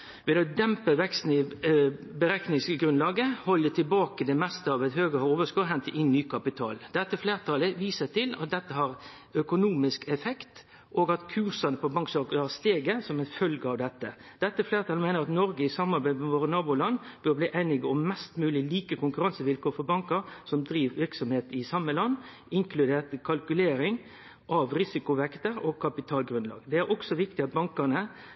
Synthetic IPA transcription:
ʋɛd̪ɛɔd̪ɛmpəʋɛkst̪n̩ɪ | bəɾæknɪŋsəɡɾʉnlɑːɡəhɔlːət̪ʰɪlbɑːkəd̪ɛmɛst̪əɑʋɛt̪høːɡəoːʋəskʊɾɦɛnt̪əʔɪnːyːkʰɑpɪt̪ʰɑ̰ːld̪̥ɛt̪ːəfleːɾt̪ʰɑːləʋiːsət̪ʰɪlɑ̰t̪̚d̪ɛt̪ːəɦɑɾ | œkʊnuːmɪskɛfɛkt̪ | ʔoːɡɑt̪kʰʉːsɑnəpʰɔbɑŋksɑːkəɑst̪eːɡəsɔmɛɪnfœlɡəɑʋd̪ɛt̪ːə̰d̪̥ɛt̪ːəæfleːɾət̪ʰɑlmæɪnəɾɑt̪nɔɾɡəɪsɑmːɑɾbæɪmɛmɔɾɪnɑːbʊlɑnːb̥øːɾbliːʔæɪnɪɡɔmːɛst̪mʉːlɪliːkəkʊŋkʉɾɑnsəʋɪlkoːfɔɾbɑŋkəɾsɔmd̪ɾiːʋʋɪɾksɔmheːt̪ɪsɑmːəlɑnː | ɪŋkʰlʉd̪eːt̪əkʰɑlkʉleːɾɪŋ | ʔɑʋɾɪsɪkʊʋɛkt̪əɾɔɡ̚kʰːɑpɪt̪ʰɑːlɡɾʉnlɑ̰ːɡd̪ɛæɾɔksɔʋɪkt̪ɪɑt̪̚bɑŋkɑnə

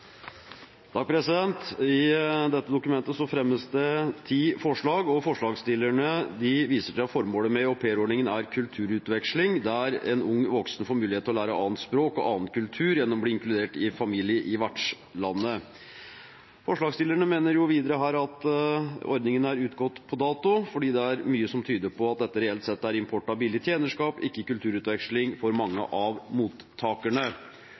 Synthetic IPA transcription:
d̪̥ɑːɡ̚pʰɾɛsɪd̪ɛnt̪ɪd̪ɛt̪ːəd̪ʊkʉmɛnt̪əsɔfɾɛmːəsd̪ɛt̪ʰiːfɔʂɭɑːɡɔfɔʂɭɑːɡst̪ɪlːəɳəd̪ɪʋiːsəʂæɑfɔɾmoːləmɛɔpʰeːɾɔɖɳɪŋənæɾkʰʉlt̪ʰʉːɾʉːt̪ʋɛkʂlɪŋd̪æɾɛ̰nʊŋːʋɔksnfoːɾmʉːlɪeːt̪ʰːɔlæːɾəɑ̰ːənt̪spɾoːkɔ̰ʔɑːnkʰʉlt̪ʰʉːɾjɛnːɔmɔbliːɪŋklʉd̪eːʈɪfɑmiːlɪəʔɪʋæʈʂ | lɑnːə | fɔʂɭɑːɡstɪləɳəmeːnəɾjʊʋiːd̪əɾəɦæːɾɑt̪ | ɔ̰ɾd̪nɪŋənəæɾʉːt̪ɡɔt̪ːpʰɔd̪ɑːt̪ʊfɔɖiːd̪ɛæɾmyːəsɔmt̪ʰyːd̪əpʰɔɑt̪̚d̪ɛt̪ːəɾɛɛlt̪sɛt̪ːəæɾɪmpʰɔʈɑbɪlɪt̪ʰjeːnəʂkɑːpɪkːəkʉlt̪ʰʉːɾʉːt̪ʋɛkʂlɪŋfɔɾmɑŋːə̰ʔɑʋmuːt̪ʰːɑːkæɳə

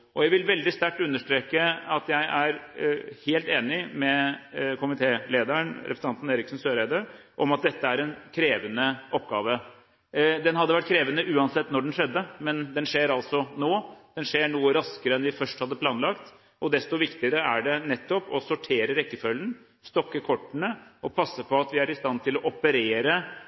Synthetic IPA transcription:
ʔɔjæɪʋɪlʋɛld̪ɪst̪æʈːʉnːəʂʈɾeːkəɑt̪jæɪʔæɾheːlt̪eːnɪmɛkʊmɪt̪ʰeːleːd̪əɳɾɛ̰psɑnt̪neːɾɪksn̩søːɾæɪd̪əɾ | ʔɔmɑt̪̚d̪ɛt̪ːəæɾɛnkʰɾeːʋənəʔɔpːɡɑːʋə | d̪ɛnhɑd̪ːəʋæʈ̚ːkʰɾeːʋənəʔʉːɑnsɛt̪ːnɔɖɛnʂɛd̪ːəmɛnd̪ɛnʂeːɾɑlt̪sɔnoːd̪̥ɛnʂeːɳuːəɾɑskəɾəɛnʋɪfœʂʈhɑd̪ːəpʰlɑːnlɑkt̪ | ʔɔd̪ɛst̪ɔʋɪkt̪ɪəɾəʔæɖɛnɛt̪ːɔpɔsʊʈʰeːɾəɾɛkːəfœlːən | st̪ɔkːəkʰɔʈːənəɔpʰɑsːəpʰɔɑt̪ʋɪæɾɪst̪ɑnt̪ʰɪlɔʔɔpəɾeːɾə

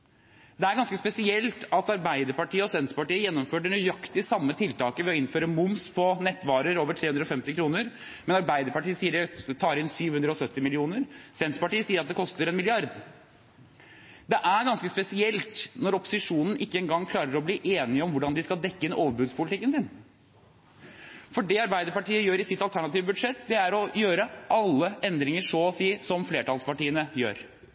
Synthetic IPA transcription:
d̪ɛæɾɡɑnskəspɛsɪɛlt̪ɑt̪ɑɾbæɪd̪əɾpɑʈʰiːəɔsɛnt̪sə̥pɑʈiːəjɛnːɔmføːʈɖɛnyjɑkt̪ɪsɑmːət̪ʰɪlt̪ʰɑːkəʋɛɔɪnføːɾəmʊmspʰɔnɛt̪ːʋɑːɾəɾoːʋəʈʰeːʉnd̪ɾɔfɛmt̪ɪkʰɾuːnəɾ | mɛnɑɾbæɪd̪əɾpɑʈiːəsiːəɖɛt̪ʰɑːɾɪnsyːʋhʉnd̪ɾəɔsœt̪ːɪmɪlɪuːnəɾsɛnt̪səpɑʈiːəsiːəɾɑt̪̚d̪ɛkʰɔst̪əɾɛnmɪlɪɑɾd̪ | d̪ɛʔæɾɡɑnskəspɛsɪɛlt̪nɔɾɔpːʊ̥sɪʂuːnən̩ʔɪkːəɛŋɡɑŋːkʰlɑːɾəɾɔbliːʔeːnɪəɔmʋʊɖɑnd̪ɪskɑlˠd̪ɛkːəɪnoːʋəɾbʉd̪spʰʊlɪt̪ɪkːənsɪn | fɔɖɛɑɾbæɪd̪əɾpɑʈiːəjøːɾɪsɪt̪ːɑlt̪ʰæɳɑt̪iːʋəbʉd̪ʂɛt̪ːd̪ɛæɾɔjøːɾəʔɑlːəʔɛnd̪ɾɪŋəʂɔɔsiːsɔmfleːʈɑːlspɑʈiːənəjø̰ːɾ

